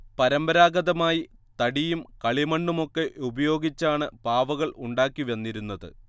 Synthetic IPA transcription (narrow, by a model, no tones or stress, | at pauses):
pɐɾɐmbɐɾaːɡɐðɐmaːjit̪ɐɽijumkɐɭimɐɳɖumo̞kːe̞ʔubɐjo̞ːɡit͡ɕːaːɳɨpaːʋɐɣɐɭʔuɳɖaːkːiʋe̞nːiɾunːɐðɨ̰